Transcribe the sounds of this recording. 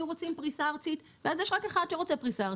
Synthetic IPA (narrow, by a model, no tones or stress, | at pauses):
uʁot͡simpʁisaːʁt͡sit̪ | veazjeʃʁakeχad̪ʃeʁo̞t͡sepʁisaʁ